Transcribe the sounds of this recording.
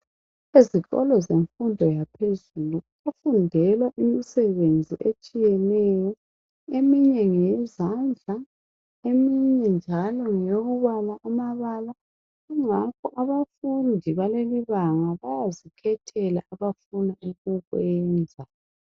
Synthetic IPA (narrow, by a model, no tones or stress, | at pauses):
eziɣɔ̰lɔzeɱfundʱɔjapʰezuluβafundʱɛlwaʔimisɛβend͡zʱiʔet͡ʃʼijɛnɛjɔ | emiɲɛŋɛzand͡ɮʱa | emiɲɛnd͡ʒʱalɔŋjoɣuβalaʔːmaβala | ɣuŋakʰɔʔaβafundʱiβaleliβaŋaβajazikʰɛtʰɛla̰ʔːβafunaʔuɣuɣwɛːnd͡zʱa